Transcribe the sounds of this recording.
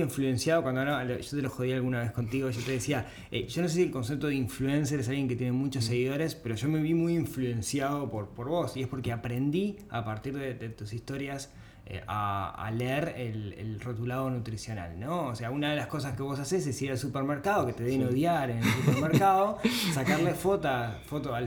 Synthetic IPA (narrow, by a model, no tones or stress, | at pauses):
iɱflue̞nsjaðokwand̪oalaloʒot̪eloxoð̞ialɣunaβe̞sko̞nt̪iɣo̞ʒot̪eðesia | eʒ̥o̞nos̬esielko̞ns̬ep̚t̪oðeiɱfluens̬eɾes̬alɣje̞ŋket̪jenemut͡ʃoseɣ̞iðo̞ɾespe̞ɾo̞ʒome̞βimujiɱflue̞nsjaðo̞poɾpo̞ɾβo̞sie̞spo̞ɾkeapɾe̞nd̪i | a̰paɾt̪iɾðeðet̪usist̪o̞ɾjas | ḛʔa̰a̰leeɾelḛlrot̪ulaðo̞nut̪ɾisjo̞na̰lnooseaunaðe̞lasko̞saske̞βo̞s̬ases̬esiɾalsupeɾmeɾkaðo̞ket̪eðenoðjaɾenelsupeɾmeɾkaðo̞sakaɾlefot̪afot̪oal